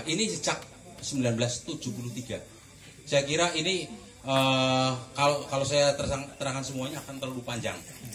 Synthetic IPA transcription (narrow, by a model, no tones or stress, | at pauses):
inisət͡ʃak̚ | səmbilanbəlast̪u̥d͡ʒupuluht̪iɡ̥a | sajakiɾaini | ə | kalokalosajat̪ərsaŋt̪əɾaŋansəmuaɲaːkant̪ərlupaɲd͡ʒa̰ŋ